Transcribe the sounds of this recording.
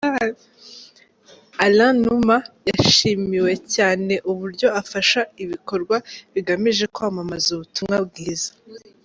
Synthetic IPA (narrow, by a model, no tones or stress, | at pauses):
alãnumajaʃiːmiwe̞caːne̞ʔuβuɾɟo̞afaʃaiβiko̞ɾɡwaβiɡameʒe̞koamamazuβutumŋabɡiːzḁ